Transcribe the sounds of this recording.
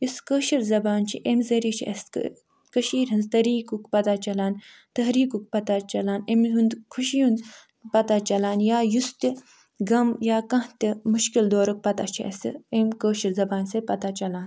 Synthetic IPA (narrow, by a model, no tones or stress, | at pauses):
jiskəːʃiɾzɐbaːnt͡ʃʰiʔemzɐɾiːt͡ʃʰiʔɐ̰st̪k | kəʃiːɾʲɦɐnzt̪ɐɾiːkukpɐt̪at͡ʃɐlaːn | t̪ɐɦɾiːkuk̚pɐt̪at͡ʃɐlaːnemɦund̪kʰuʃijun | pɐt̪at͡ʃɐlaːnjaːjust̪ʲi | ɡɐmjaːkɐ̃ɦt̪ʲimuʃkild̪oːɾuk̚pɐt̪at͡ʃʰiɐ̰siemkəːʃiɾzɐbaːnsepɐt̪at͡ʃɐlaːn